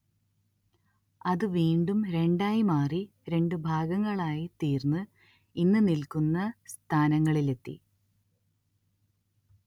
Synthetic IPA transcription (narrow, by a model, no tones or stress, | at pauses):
ɐðɨʋiːɳɖumɾe̞ɳɖaːjimaːri | ɾe̞ɳɖɨbʱaːɡɐŋːɐɭaːjit̪iːrnɨ | inːɨnilkunːɐst̪ʰaːnɐŋːɐɭile̞t̪ːḭ